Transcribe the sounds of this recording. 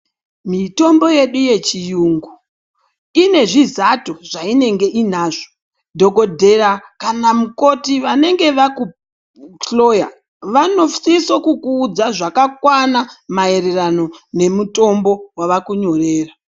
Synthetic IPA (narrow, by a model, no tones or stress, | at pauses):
mito̞mbo̞je̞ɗuje̞t͡ʃijuːŋɡu | ine̞ʐizatoʐaine̞ŋɡe̞ʔin̤aːʐ̥o | dʱo̞ko̞dʱe̞ɾakanamuko̞tiʋane̞ŋɡe̞ʋaku | lo̞ja̰ | ʋano̞fsisokukuːd͡zaʐakakwanamae̞ɾe̞rano̞ne̞muto̞mbo̞waʋakuɲo̞re̞ːra